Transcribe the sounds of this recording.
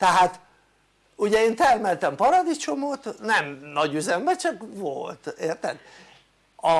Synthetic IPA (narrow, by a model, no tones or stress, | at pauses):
t̪ɛɦaːt̪ | uɟɛeːnt̪ɛrmɛlt̪ɛmpɒɾɒd̪it͡ʃo̞mot̪nɛmnɒɟyzɛnbɛt͡ʃɒkʋolt̪eːrt̪ɛ̰d̪ | ɒ